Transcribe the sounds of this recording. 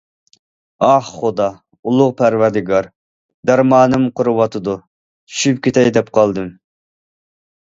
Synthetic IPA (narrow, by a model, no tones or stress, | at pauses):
ɑχχod̪ɑ | ulˠʊʁpʰæɾwæɾd̪ɪɡɑɾ | d̪æɾmɑːnɨmqʰoɾɨwɑt̪ʰɨd̪u | t͡ʃʰy̥ʃypkʲʰet̪ʰɛjd̪ɛpqʰɑlˠd̪ɨm